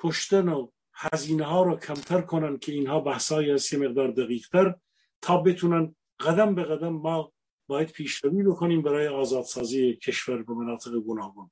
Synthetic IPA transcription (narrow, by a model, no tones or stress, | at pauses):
kʰoʃt̪æno | hæziːneɦɑːɾɑːkʰæmt̪ʰæɾkʰonæn̚kʲʰeiːnɦɑːbæhshɑːiːhæst̪jemeɣd̪ɑːɾd̪æɣiːʁt̪ʰæɾ | t̪ʰɒːbe̞t̪ʰunæn | ɣæd̪æmbeɣæd̪æmːɒː | bɒːjæd̪̥̚pʰiːʃɾæviːbe̞kʰoniːmbæɾɑːjeɑːzɑːd̪̥sɑːziːecʰeʃvæɾbemænɑːt̪ʰeɣeɡonɑːɡon